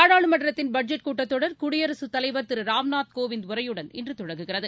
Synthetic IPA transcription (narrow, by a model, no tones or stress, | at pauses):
aːɽaːɭɯmɐɳɖɐɾɐt̪ːɪnbɐɖ̚d͡ʒɐʈ̚kuːʈːɐt̪ːɔɽɐɾkʊɽɪjɐɾɐsɯt̪ːɐlɐɪʋɐɾt̪ɪɾɯɾaːʋnaːt̪koːʋɪnd̪ʊɾɐjɯɽɐnɛndrɯt̪ʊɽɐŋɡɯɣɪrɐðɯ